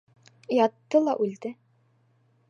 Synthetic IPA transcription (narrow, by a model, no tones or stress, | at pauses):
jɑt̪ːɤlˠɑʔʉld̪ɘ